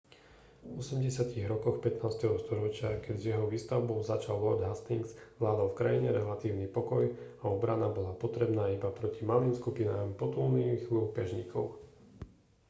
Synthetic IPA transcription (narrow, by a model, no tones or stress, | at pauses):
ɔsɛmɟɛsɪat̪iɣɾɔkɔxpɛt̪naːst̪ɛɦɔst̪ɔɾɔt͡ʃɪakɛɟzjɛɦɔʋiːst̪aʊbɔʊzat͡ʃalʋɔɾd̪ɦast̪iŋɡz̥ʋlaːd̪ɔlfkɾajiɲɛɾɛlat̪iːʊnipɔkɔjaɔbɾanabɔlapɔt̪ɾɛbnaːibapɾɔcimaliːmskupinaːmpɔt̪ulniːxuːkɛʒɲiːkʰɔʊ